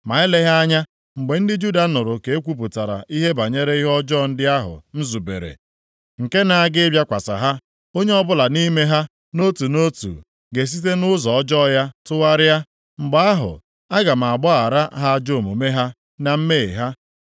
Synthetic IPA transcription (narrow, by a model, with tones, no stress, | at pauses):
ma˨ɪ˦le˦ɦa˦a˦ɲa˦ | ŋ͡m̩˨ɡ͡be˨n̩˦dɪ˦d͡ʒu˦da˨˦nʊ˨ɾʊ˨ke˨e˦kʷu˦p̬ʊ˨ta˨ɾa̰˨ʔi˦ɦe˦ba˨ɲe˦ɾe˦i˦ɦɔ˦d͡ʒɔ˦˨n̩˦dɪ˦a˦ɦʊ̰˨n̩˦zu˨bḛ˨ɾḛ˨ | ŋ̩˨ke˦na˨a˦ɡɪ˦bʲja˦kʷa˨sa̰˨ɦa˦ | o˦ɲe˦ɔ˦bʊ˦la˨ni˦me˦ɦa˦ | no˦tu˨no˦tṵ˨ | ɡe˨s̬i˦t̬e˦nʊ˦zɔ˨ɔ˦d͡ʒɔ˦˨ja˦tʊ˦wa˦ɾɪ˦a˦ | ŋ͡m̩˨ɡ͡ba˦a˦ɦʊ̰˨ | a˦ɡa˨m̩˨a˨ɡ͡bɔ˦a˨ɾa˦ɦa˦a˦d͡ʒo˦˨mo˨me˦ɦa˦ | na˨m̩˦me˦˨e˨ɦa˦